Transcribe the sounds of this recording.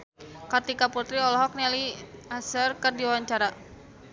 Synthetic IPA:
kat̪ikaput̪ɾiɔlɔɦɔk̚nɛliasərkərdiwawaɲt͡ʃaɾa

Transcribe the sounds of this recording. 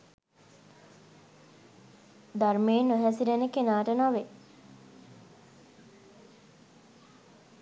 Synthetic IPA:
d̪armeːnːoɦɛsidenekenaːʈənaʋe

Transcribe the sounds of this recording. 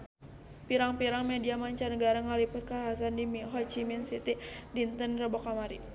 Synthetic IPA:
piɾaŋpiɾaŋmediamaɲt͡ʃanəɡaɾaŋalipʊt̪̚kaaɦasandimiɦɔt͡ʃiminsit̪idint̪ənrəbokamaɾi

